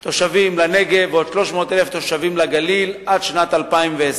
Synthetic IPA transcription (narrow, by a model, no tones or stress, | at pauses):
t̪o̞ʃavimlane̞ɡeveo̞d̥̪ʃlo̞ʃmo̞ːt̪eleft̪o̞ʃavimlaɡalilad̪ʃnat̪alpaimvees